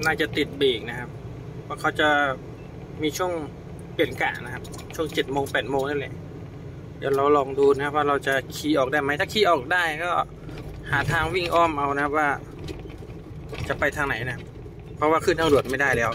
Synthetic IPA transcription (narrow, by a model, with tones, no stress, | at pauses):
naː˥˩t͡ɕa˨˩t̪i˨˩t̪̚beː˨˩k̚na˦˥kʰa˦˥p̚ʰː | ɔ˥˩kʰa˦˥wt͡ɕa˨˩ | miː˧t͡ɕʰu˥˩əŋ | pi˨˩ənka̰ː˨˩na˦˥kʰa˦˥p̚ | t͡ɕʰu˥˩əŋt͡ɕe˨˩t̪̚moː˧ŋpɛː˨˩t̪̚moː˧ŋna˥˩˨lɛ̰˨˩ | jaː˨˩ɾa˧wlɔː˧ŋduː˧na˧˥kʰa˦˥p̚waː˥˩ɾa˧wt͡ɕa˨˩kʰiː˧ʔɔː˨˩k̚daː˥˩jma˦˥jt̪ʰaː˥˩kʰiː˧ʔɔː˨˩k̚daː˥˩jkɔː˥˩ | haː˩˦t̪ʰaː˧ŋwi˥˩ŋʔɔː˥˩mʔa˧wna˦kʰa˦˥p̚waː˥˩ | t͡ɕa˨˩pa˧jt̪ʰaː˧ŋna˨˩˦jna˦kʰa˦˥p̚ | pʰːɾɔ˦˥waː˥˩kʰɯː˥˩nʰaː˧ŋdu˨˩t̪̚ma˥˩jdaː˥˩jlɛː˦˥w